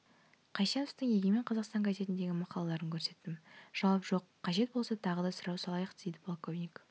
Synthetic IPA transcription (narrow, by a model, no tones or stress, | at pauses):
qʰɑjʃɑnʊst̪əŋjeɡʲeme̞ɴqʰɑzɑqst̪ɑŋkʰaze̞t̪ɪnd̪e̞ɡʲɪmɑqɑlˠɑlˠɑɾəŋkʲʰɵɾse̞t̪ːɪmʒ̥ɑwɑpʒo̞qʰːɑʒe̞t̪̚bo̞lˠsɑt̪ʰɑʁəd̪ɑsəɾɑwsɑlˠɑjəq̪ejd̪ɪpʰlˠkovnik